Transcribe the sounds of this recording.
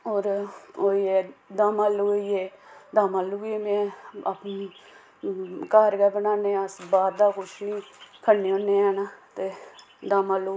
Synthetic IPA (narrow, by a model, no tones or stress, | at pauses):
oːɾoːieːd̪aːmaːlːuːieːd̪aːmaːlːuːɡimɛ̃ːp | kaːɾkɛːbənaːneːəsbaːd̪d̪aːkʊʃniːkʰənːeːõːnːeːɛːnaːt̪eː | d̪aːmaːlːuː